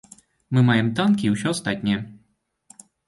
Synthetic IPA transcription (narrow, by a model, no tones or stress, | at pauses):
mɨmajɛmt̪ankʲiːwsʲɔɐst̪at̪ʲnʲɛjɛ